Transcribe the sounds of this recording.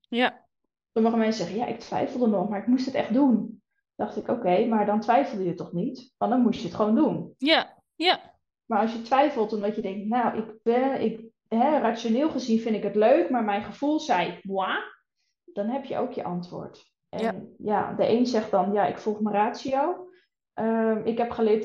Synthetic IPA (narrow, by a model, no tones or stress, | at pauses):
soməχəmɛnsəsɛχənja̰ʔɪk̚tʰʋɛ̰jfəlˠdənɔχmaɹɪkmustətɛ̰χtdun | d̥ɑχtɪkoːkejmaɹdɔntʋɛjfəl̩ˠdəjətɔχnitʋɔndɔnmutjəətχəʋoːndun | maɹɑlˠsjətʋɛjfəlˠtɔmdɔtjədɛŋk̚tnawʔɪkbɛɪk | ɦɛraːt͡sjonɪːlˠχəzinfɪndɪkətløɥkmaɹmɛjnχəfulˠsɛjbwa | d̥ɔnɦɛpjə̰ʔo̰wkjə̰ʔɑntʋo̰ːɹt | ʔɛnja̰dəʔeːnsɛχdɔnjaɪ̰kfulˠxməraːsiow | ʔəmɪkɦɛpχəlɪt